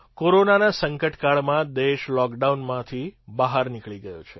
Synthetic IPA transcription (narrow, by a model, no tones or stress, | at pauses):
koɾonanasəŋkəʈkaɭmãd̪eʃlɔkɖaunmãt̪ʰibəɦaɾnikɭiɡəjo̰t͡ʃʰe